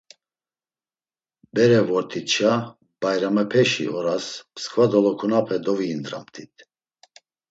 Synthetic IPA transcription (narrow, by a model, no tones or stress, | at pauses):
bɛɾɛvɔɾt̪ʰit̪t͡ʃa | bajɾamɛpʰɛʃḭʔɔɾaspʰskʰʼvad̪ɔlɔkʰunapʰɛd̪ɔviːnd̪ɾa̰mt̪ʰit̪ʰ